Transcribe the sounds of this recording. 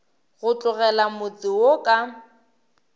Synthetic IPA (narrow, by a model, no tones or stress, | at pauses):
ɣʊt͡ɬʼʊɣɛlamʊt͡sʼɪwokʼa